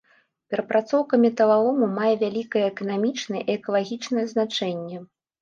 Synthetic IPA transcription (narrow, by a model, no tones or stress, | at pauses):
pʲɛɾɐpɾʔat̪sɔwkɐmʲit̪ɐlˠavɔmumajɛvʲalʲikɐjɛːkɐnamʲit͡ʂnɐjɛʔiɛkɐlˠaɣʲit͡ʂnɐjɛznat͡ʂɛnʲːɛ